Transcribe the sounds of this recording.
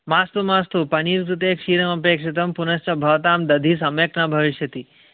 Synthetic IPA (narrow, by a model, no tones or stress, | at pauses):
maːst̪umaːst̪upɐniːɾkɾut̪eːkʃiːɾɐmɐp̬eːkʂit̪̬ɐmpunɐst͡ʃɐbʱɐʋt̪aːmd̪ɐd̪ʱiːs̬ɐmjɐknabʱɐʋiʃjɐt̪i